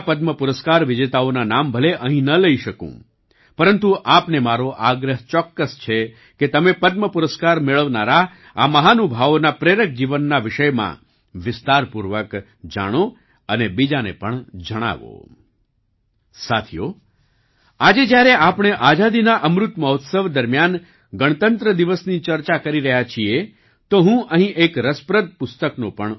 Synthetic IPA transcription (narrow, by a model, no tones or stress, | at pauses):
pəd̪məpuɾəskaɾʋɪd͡ʒet̪aonanambʱəleʔəɦĩnələiʃəkṵ̃ | pəɾənt̪uʔapnemaɾoʔaɡɾəɦt͡ʃɔkːəst͡ʃʰe | ket̪əmepəd̪̚məpuɾəskaɾmeɭəʋnaɾa | aməɦanubʱaʋonapɾeɾək̚d͡ʒiʋənːaʋɪʃəjmã̰ | ʋɪst̪aɾpuɾʋək | d͡ʒa̰ɽ̃o | ənebid͡ʒanḛpəɳd͡ʒəɽ̃a̰ʋo̰ | sat̪ʰijo̰ | ad͡ʒed͡ʒjaɾeʔapɽ̃eʔad͡ʒad̪inaʔəmɾʊt̪məɦot̪səʋd̪əɾmjan | ɡəɽ̃ət̪ənt̪ɾəd̪iʋəsnit͡ʃəɾt͡ʃakəɾiɾəɦjat͡ʃʰie | t̪oɦũʔəɦĩʔekɾəspɾəd̪̚pʊst̪əknopəɳ